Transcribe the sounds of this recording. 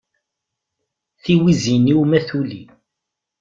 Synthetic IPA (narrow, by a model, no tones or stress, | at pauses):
θiwiziniumæθulḭ